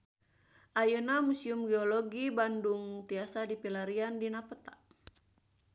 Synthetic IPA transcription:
ʔajunamusiumɡɛɔlɔɡibanduŋt̪iasadipilaɾiandinapət̪a

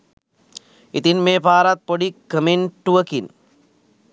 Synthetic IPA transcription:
it̪inmeːpaːɾɐt̪̚poɽikːɐmenʈuɐkin

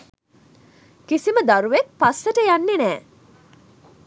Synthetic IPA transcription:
kisiməd̪aɾuʋek̚pasːəʈəjanːenɛː

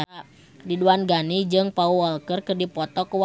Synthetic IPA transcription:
diduanɡanid͡ʒɨŋpauɔlkərkɨrdipɔt̪ɔkuw

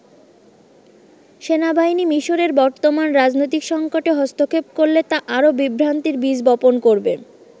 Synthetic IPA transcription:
ʃenabainimiʃoɾeɾbɔɾt̪omanɾad͡ʑnojt̪ikʃɔŋkoʈeɦɔst̪ʰokʰepkoɾlet̪aʔaɾobibʱɾant̪iɾbid͡ʑbɔponkoɾbe

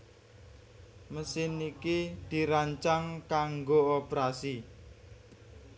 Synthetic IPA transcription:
məsɪnikid̪̥i̤ɾaɲt͡ʃaŋkaŋɡoopɾasi

